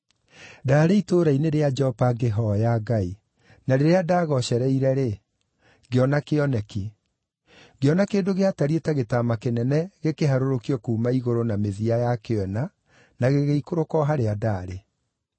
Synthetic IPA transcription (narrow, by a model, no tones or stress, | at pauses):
daːɾeitoːɾaineɾead͡ʒɛɔpaɡeɦɔjaɡai | naɾeɾeadaːɣɔɕɛɾɛiɾɛɾe | ɡeɔnakeɔnɛki | ɡeɔnakeːndoɣeataɾietaɣetamakenɛnɛɣekeɦaɾoɾokiɔkuːmaiɣoɾonameðiajakewɛna | naɣeɣeikoɾokɔɦaɾeadaːɾe